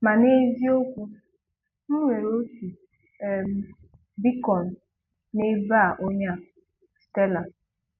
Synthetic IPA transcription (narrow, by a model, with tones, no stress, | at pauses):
ma˨ne˦zi˦o˦kʷu˦ | ŋ̩˦ŋʷe˨ɾo˦tu˨ | e˨m˦ | bi˦kɔ˨n̩˨ | ne˦ba˦˨ʔo˦ɲa˦ | ste˦la˨